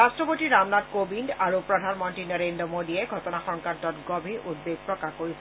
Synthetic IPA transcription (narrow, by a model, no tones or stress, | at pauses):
astɹɔpotiɹamnadkobindaɹupɹɔdʱanmɔntɹinɔɹendɹɔmodiɛɡʱɔtɔnaxɔŋkantɔtɡɔbʱiʔud̚beɡ̚pɹɔkaxkoɹisɛ